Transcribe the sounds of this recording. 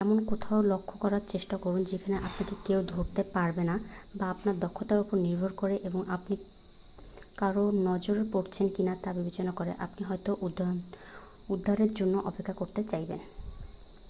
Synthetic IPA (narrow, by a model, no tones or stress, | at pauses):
ɛmonkot̪ʰaolokʰːokɔɾaɾt͡ɕeʃʈakoɾund͡ʑekʰaneʔapnakekewd̪ʱoɾt̪epaɾbenabaapnaɾd̪ɔkʰːot̪aɾupoɾniɾbʱoɾkoɾeʔeboŋapni | kaɾonɔd͡ʑoɾepoɾt͡ɕʰenkinat̪abibet͡ɕonakoɾḛʔa̰pniɦɔjt̪o | ud̪ʱːaɾeɾd͡ʑonːoʔɔpekʰːakoɾt̪et͡ɕajbḛn